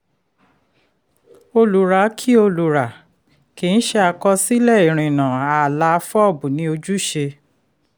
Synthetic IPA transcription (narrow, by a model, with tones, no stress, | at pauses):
o˧lu˨ɾa˨˦kʰi˦o˧lu˨ɾa˨ | ke˨ñ̩˦ʃe˦˧a˧kɔ˧si˦lɛ˦˨i˨ɾ̃ĩ˨nã˨a˨la˧fɔ˦ɔ˦˨bu˨nĩ˧˦o˧d͡ʒu˦ʃe˧